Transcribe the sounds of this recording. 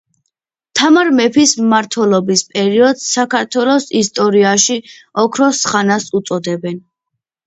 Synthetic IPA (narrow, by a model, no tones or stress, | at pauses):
t̪ʰamaɾmɛpʰismaɾt̪ʰwɛlˠɔbispʼɛɾiɔd̪sːakʰaɾt̪ʰwɛlˠɔsist̪ʼɔɾiaʃiɔkʰɾɔsχanasut̪sʼɔd̪ɛbɛn